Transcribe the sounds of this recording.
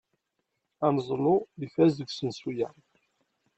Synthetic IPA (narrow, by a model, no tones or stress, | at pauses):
æmzˤlʊlifæzəɡʷsənsujæ